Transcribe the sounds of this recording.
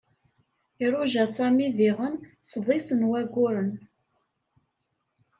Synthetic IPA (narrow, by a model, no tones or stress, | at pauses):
iɾˤuʒæsæmiðiʁənsˤðˤisənwæɡʊɾən